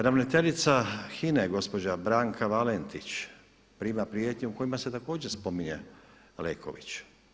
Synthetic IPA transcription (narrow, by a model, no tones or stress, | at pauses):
ɾamnet̪e̞ʎit̪saxineɡo̞spo̞d͡ʑabɾaːŋkʰaʋalent̪it͡ɕ | pɾiːmapɾiet̪ɲeuko̞jimase̞t̪ako̞ːd͡ʑespo̞miɲḛ | lḛːkʰo̰ʋḭt͡ɕ